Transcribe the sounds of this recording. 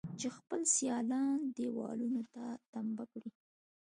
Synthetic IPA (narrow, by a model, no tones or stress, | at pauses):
t͡ʃexpəlsjɑlɑnd̪ewɑ̰lunot̪at̪ambakɽi